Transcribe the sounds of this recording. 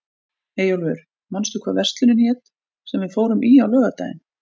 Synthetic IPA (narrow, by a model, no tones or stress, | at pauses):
ejawlvɛʏɾ̥ | manst̪ʏkʰva̰ːɾvɛr̥st̪lɪnʏnçɛːt̪ | sɛmvɪðfoːwɾʏmʔiawlœːɣat̪a̰jɪ̰n